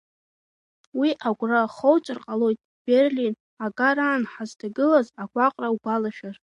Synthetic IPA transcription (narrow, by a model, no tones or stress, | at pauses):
wiʔaɡʷraχowt͡sʷʼɨrqʼalo̞jtʼ | b̥erlin | aɡʼaɾaːnħazdʰaɡɨlazaɡʷaqʼrawbalaʃᶣar